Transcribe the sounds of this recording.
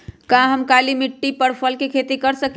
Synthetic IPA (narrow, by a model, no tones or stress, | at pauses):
kãɦəmkalimiʈːipəɾpʰəlkekʰet̪ikəɾsək